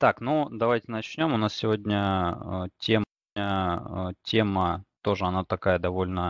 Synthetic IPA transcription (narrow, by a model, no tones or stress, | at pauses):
t̪aknud̪ɐvajtʲɪnɐt͡ɕnʲo̞mʊnassʲɪvʲodʲnʲə | tʲem | ə | tʲe̞mət̪o̞ʐəɐnat̪ɐkajəd̪ɐvo̞lʲnə